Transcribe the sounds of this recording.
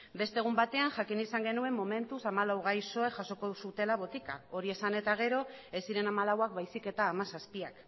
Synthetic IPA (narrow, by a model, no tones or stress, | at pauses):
be̞st̪e̞ɣ̞umbat̪e̞aŋʝakinisaŋɡe̞nue̞mːo̞me̞nt̪usamalawɣ̞ajso̞eʝaso̞kosut̪e̞laβo̞t̪ika̰o̞ɾie̞sane̞t̪aɣ̞e̞ɾo̞e̞siɾe̞namalawak̚bajsike̞t̪aːmasaspiak